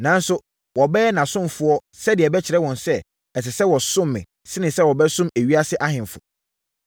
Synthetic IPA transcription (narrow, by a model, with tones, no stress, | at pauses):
nã˨˦n˦sʊ˦ | wɔ˨bɛ˦ɛ˦nã˨sʊ̃˦m˨fʊ˨ɔ˦ | sɛ˦dɪ˨ɛ˨bɛ˦t͡ɕʰɪ˨ɾɛ˦wɔ̃˨nsɛ˦ | ɛ˨s̬ɪ˨sɛ˦wɔ˨sʊ̃˦mːɪ̰̃˨ | sɪ˦nɪ̃˨sɛ˦wɔ˨bɛ˦sʊ̃˦mæ˨ɥi˦a˦sɪ˦ʔa˦hɪ̃˨m˨fʊ̰˨